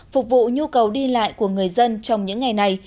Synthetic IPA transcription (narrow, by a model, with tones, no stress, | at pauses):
fʊ˨˩k͡p̚vṵ˧˨ɲu˧kə˨˩wɗi˧la̰ː˧˨jku˧˩əŋɨ˨˩əjzə˧nt͡ɕɔ˧wŋ͡mɲɨ̰˧˥ŋːa˨˩jna˨˩j